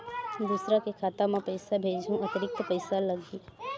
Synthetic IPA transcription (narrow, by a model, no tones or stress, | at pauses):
d̪usɾakekʰaːt̪amẽpəɪsabʱeːd͡ʒʱɦũət̪əɾɪk̚t̪pəɪsaləɡi